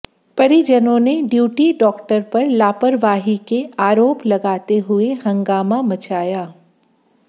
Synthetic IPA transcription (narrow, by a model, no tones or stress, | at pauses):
pɐɾid͡ʒənõneɖjuːʈiɖɔːkʈəɾpɐɾlaːpəɾʋaːɦikeaːɾoːplɐɡaːt̪eɦʊehɐ̃ŋɡaːmamɐt͡ʃaːjaː